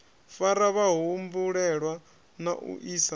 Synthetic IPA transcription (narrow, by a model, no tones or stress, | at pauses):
faɾaβaɦumbuɺɛɺwa | naʔṵʔisa